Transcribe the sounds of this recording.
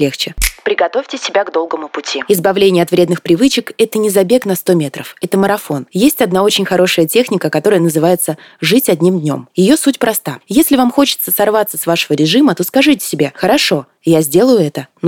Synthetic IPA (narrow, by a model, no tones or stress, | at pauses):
lʲext͡ɕɪpɾʲɪɡɐt̪o̞fʲtʲɪsʲɪbʲaɡd̪o̞lˠɡəmʊpʊtʲʰiɪzbɐvlʲenʲɪjəɐt̪vɾʲe̞d̪nɨxpɾʲɪvɨt͡ɕɪkɛt̪ənʲɪzɐbʲeknɐst̪o̞mʲe̞t̪ɾəfɛt̪əməɾɐfo̞njesʲtʲɐd̪nao̞t͡ɕɪnʲxɐɾo̞ʂəjətʲe̞xnʲɪkəkɐt̪o̞ɾəjənəzɨvajɪt̪sə | ʐɨtʲɐdʲnʲimdʲnʲo̞mjɪjosutʲpɾɐst̪ajesʲlʲɪvamxo̞t͡ɕɪ̥t̪səsɐrvat̪səsvaʂəvəɾʲɪʐɨmət̪oskɐʐɨtʲɪ̥sʲɪbʲaxəɾɐʂo̞ | jazʲdʲe̞lˠəjʊɛt̪ən